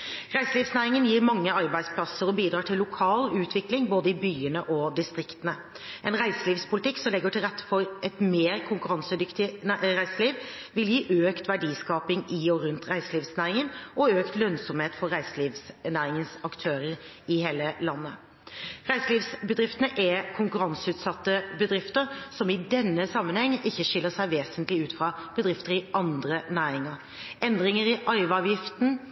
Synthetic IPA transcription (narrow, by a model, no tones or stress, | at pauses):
ʁæɪsəliːʋsnæːɾɪŋənjiːɾmɑŋːəɑʁbæɪd̪spʰlɑsəɾɔbiːd̪ɾɑːʈʰɪlːʊkʰɑːlʉːt̪ʰʋɪklɪŋboːd̪əɪbyːənəʔɔd̪ɪst̪ʁɪkt̪ənə | ʔɛnʁæɪsəliːʋspʊlɪt̪ʰɪkːsɔmlɛɡːəʈʰɪlʁɛt̪ʰːə̥fɔɾʔɛt̪meːɾkʰʊŋkʉʁɑnsəd̪ʏkt̪ɪɾæɪsəliːʋʋɪljiːʔøːkt̪ʋæɖiːskɑːpɪŋɪɔɾʉnt̪ɾæɪsəliːʋsnæːɾɪŋənʔɔøːkt̪lœnsɔmheːt̪fɔɾæɪsəliːʋsnæːɾɪŋənsɑkt̪ʰøːɾəɾ | ɪheːləlɑnːə | ʁæɪsəliːʋsbəd̪ʁɪft̪ənəʔɛkʰʊŋkʉɾɑnsʉːt̪sɑt̪ːəbəd̪ɾɪft̪əɾsɔmɪd̪ɛnːəsɑmːənhɛŋːəʔɪçːəʂɪlːəsæɪʋeːsənt̪lɪʉːt̪fɾɑb̥əd̪ɾɪft̪əɾɪʔɑnd̪ɾənæːɾɪŋəɾ | ɛnd̪ʁɪŋəɾɪʔɑɪʋɑːʋjɪft̪n̩